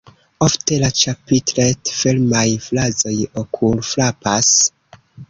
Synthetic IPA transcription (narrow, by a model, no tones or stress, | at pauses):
ofte̞lat͡ʃapitɾetfilmajflazo̞jokʰulflapas